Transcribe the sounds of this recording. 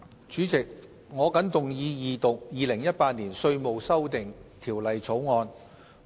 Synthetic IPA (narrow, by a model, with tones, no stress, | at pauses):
t͡ʃyː˨˥t͡sɪ˨˩k̚ | ŋɔː˨˧kɐ˨˥nt̪ʊ˨ŋjiː˨˧jiː˨˧t̪ʊ˨k̚jiː˨˧lɪ˨˩ŋjɐ˥t̚paː˧t̚niː˨˩nsɵ˧ɥmo˨wsɐ˥wt̪ɪ˨ŋt̪ʰiː˨˩wlɐ˨jt͡sʰo˨˥wŋɔː˧n